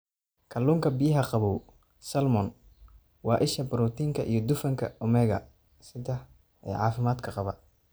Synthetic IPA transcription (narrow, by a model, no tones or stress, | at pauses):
kʰɐluːŋkʰɐbɪjɐɦɐqɑβɔw | sɐlmɔn | wɑːʔɪʃɐbɪɾɔt̪ʰiːŋkʰɐʔḭjɞd̪ʊfɐŋkʰɐ̰ʔʊmɛːɣɐ̰ | sɪðɐ | ɛ̰ːʕɑ̰ːfɪmaːd̪kʰɐqɑβɐ